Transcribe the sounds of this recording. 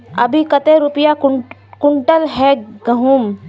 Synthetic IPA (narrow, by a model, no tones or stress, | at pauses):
ɐbʱikət̪eɾupɪjakʊɳʈəlɦɛɡəɦum